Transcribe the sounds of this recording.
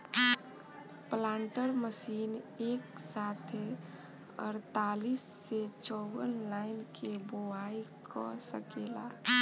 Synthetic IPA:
plaːɳʈəɾməsiːneːksaːt̪ʰe | ə̰ɾt̪aːliːsːet͡ʃɔːwənlaɪnkeboaikʰɔsəkeːla̰

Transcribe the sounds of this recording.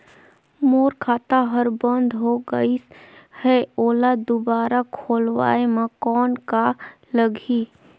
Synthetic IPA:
moːɾkʰaːt̪aɦəɾbə̃nd̪ʱɦoɡəihɛoːlad̪ʊbaːɾakʰoːlwa̰ːemakɔːnka | ləɡʱiː

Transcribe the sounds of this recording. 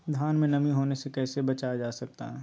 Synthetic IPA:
d̪ʱaːnmẽnɐmiɦoːnesekɛːsebɐt͡ʃajad͡ʒaːsɐk̚t̪a̰ɦɛː

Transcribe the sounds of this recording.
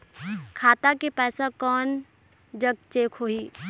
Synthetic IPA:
kʰaːt̪akepɛːsakɔːn | d͡ʒəɡ̚t͡ʃeːkʰɦoːiː

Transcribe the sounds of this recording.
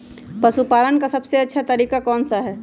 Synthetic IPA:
pɐsupaːlənkasɐbseɐtːʃʰat̪əɾiːkakɔːnsaɦɛː

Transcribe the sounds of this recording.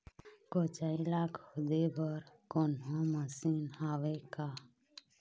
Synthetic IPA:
kot͡ʃaːilaːkhʊd̪ebəɾkoːnɦõːməsiːnaːʋeka

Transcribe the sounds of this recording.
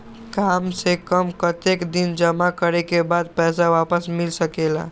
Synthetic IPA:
kamsekəmkət̪ekd̪ind͡ʒəmakəɾɛkebad̪̚pɛjsawapəsmilsəkela̰

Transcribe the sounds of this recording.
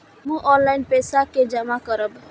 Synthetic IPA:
mũʔɔnlainpesaked͡ʒəmakəɾəb

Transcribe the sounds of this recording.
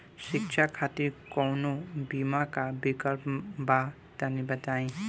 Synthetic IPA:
sik̚t͡ʃʰakʰat̪iɾkɔwnobimakabikəlpba | t̪ənibət̪aĩ

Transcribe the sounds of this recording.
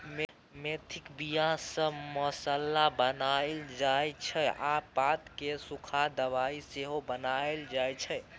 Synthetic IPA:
me | met̪ʰikbijãsə̃məsəlːabənaeld͡ʒajt͡ʃʰɛapat̪kesukʰad̪əʋaiseɦobənaeld͡ʒajt͡ʃʰɛ

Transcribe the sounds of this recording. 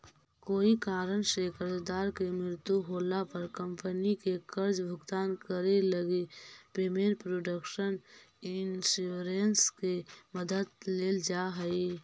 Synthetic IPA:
koːikaːɾənsekəɾd͡ʒd̪aːɾkemɾɪɾt̪juɦoːlapəɾkəmpənikekəɾd͡ʒbʱʊɡt̪aːnkəɾeləɡepeːmenpɾoːɖəkʃən | ɪnsuːɾenskeməd̪əd̪leːld͡ʒaɦəi

